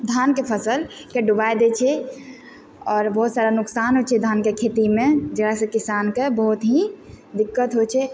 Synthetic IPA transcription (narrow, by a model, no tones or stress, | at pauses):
d̪ʱankepʰəsəlkeɖubajd̪et͡ʃʰɛ | ɔːɾbəɦut̪saɾanʊksanɦot͡ʃʰɛd̪ʱankekʰet̪imẽd͡ʒəɡasẽkisankebəɦut̪ɦĩ | d̪ɪkːət̪ɦot͡ʃʰɛ